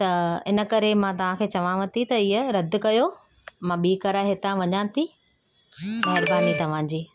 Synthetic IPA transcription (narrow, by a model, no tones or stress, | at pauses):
t̪ɐɪnə̆kɐɾemãt̪ɐʋ̤ãkʰeːt͡ɕɐʋ̤ãʋɐ̃t̪ʰit̪ɐɪːəɾɐd̪̆ʱkɐjo | mãɓiːkɐɾaɦɪt̪ãʋɐɲãːt̪ʰi | mɐɦɪɾbaːnit̪ɐʋ̤ãːd͡ʑiː